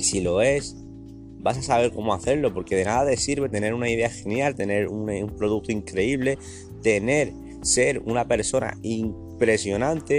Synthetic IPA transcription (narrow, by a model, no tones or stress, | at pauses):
silo̞e̞s | basasaβ̞e̞ɾko̞moaθe̞ɾlo̞po̞ɾke̞ðe̞naðaðe̞siɾβe̞t̪e̞ne̞ɾunaið̞e̞axe̞njalt̪e̞ne̞ɾunumpɾo̞ð̞uk̚t̪oiŋkɾe̞iβ̞le̞ | t̪e̞ne̞ɾ | se̞ɾunape̞ɾso̞na̰iŋ | pɾe̞sjo̞nãnt̪e